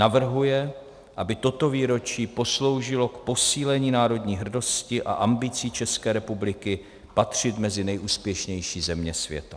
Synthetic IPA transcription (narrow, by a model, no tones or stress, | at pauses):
navr̩ɦujɛ | ʔabɪt̪o̞t̪o̞viːɾo̞t͡ʃiːpo̞slo̞wʒɪlo̞kpo̞siːlɛɲiːnaːɾo̞dɲiːɦr̩do̞scɪʔa̰ʔambɪt͡siːt͡ʃɛskɛːɾɛpublɪkɪ | pat̪r̝̥ɪt̪mɛzɪnɛjʔuːspjɛʃɲɛjʃiːzɛmɲɛsvjɛ̰t̪a